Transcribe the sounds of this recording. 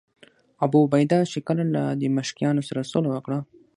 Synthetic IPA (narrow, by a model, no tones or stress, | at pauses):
abubajd̪ɑʃekəlalad̪əməʃkijɑnosaɾasolawəkɽa